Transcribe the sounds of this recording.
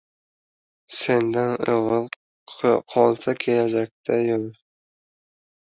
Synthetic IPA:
send̪anoʁɨlˠ | qʰɒlˠsakʲʰelad͡ʒak̚ʲt̪ʰajol

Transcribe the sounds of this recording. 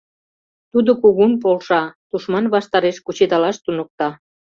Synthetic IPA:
t̪ud̪okuɣumpolʃɑd̪̥uʃmɑnβɑʃt̪ɑɾeʃkut͡ɕed̪ɑlɑʃt̪unŏk̚t̪ɑ

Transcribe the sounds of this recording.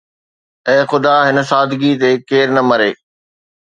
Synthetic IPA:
ɛ̃ːxʊd̪aɦɪnə̆saːd̪ʱɪɡit̪ekeːɾnɐmɐɾeː

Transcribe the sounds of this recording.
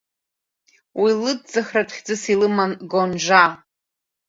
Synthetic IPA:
wʔilɨd̚d͡zaχratʰχʲd͡zɨsilɨmanɡonʒʷa

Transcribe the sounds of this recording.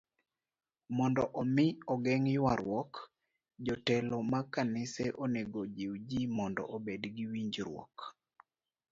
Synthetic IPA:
mɔndɔʔɔmɪɔɡɛŋjwaɾwɔk | d͡ʒɔtɛlɔmakanɪsɛʔoneɡod͡ʒiwd͡ʒimɔndɔ̰ʔobedɡiwiɲd͡ʒɾwɔ̰k

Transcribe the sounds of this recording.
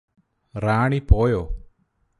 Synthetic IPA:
ɾaːɳ̃ipoːjoː

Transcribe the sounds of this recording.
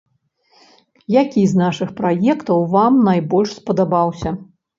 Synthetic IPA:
jakʲiznaʂɨxpɾajɛkt̪ɐwvamnajbɔlʲʂspɐd̪abawsʲɐ

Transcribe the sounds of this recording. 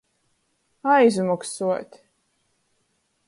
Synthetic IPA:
ajzmɔksuɔt̪ʲ

